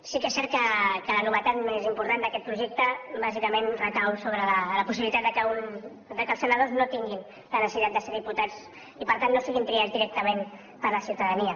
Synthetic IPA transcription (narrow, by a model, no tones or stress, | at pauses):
sikɛsːɛɾt̪̚kəkələnuβət̪at̪mezimpuɾt̪and̪əkɛt̪̚pɾuʒɛk̚t̪əbazikəmenrəkawsoβɾələləpusiβilit̪at̪d̪əkəun | d̪əkəlsənəð̞oznot̪iŋɡin | lənəsəsit̪at̪d̪əseɾðiput̪ad͡z | ipəɾt̪anːosiɣinp̪ɾiazd̪iɾɛk̚t̪əmen | pəɾləsiuwt̪əðəniə